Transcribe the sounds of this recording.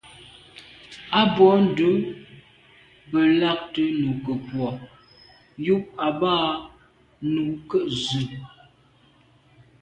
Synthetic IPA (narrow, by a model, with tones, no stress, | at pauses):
a˦bɔ˨˦n̩˦˨du˨˦ | pə˨la˦k̚tə˦nu˨kə˨pwɔ˨ | ju˦p̚a˨baː˦ | nu˨kə˦˨ʔzʉ˨